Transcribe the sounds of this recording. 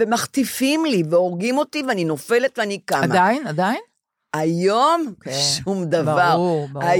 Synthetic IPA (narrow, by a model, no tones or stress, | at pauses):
vemaχt̪ifimliveo̞ʁɡimo̞t̪iveanino̞fe̞let̪veanikamaainad̪ain | ajo̞mʃumd̪avaʁa